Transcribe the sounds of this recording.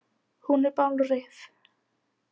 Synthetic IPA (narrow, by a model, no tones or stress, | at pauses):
hunɛɾpawlrɪθ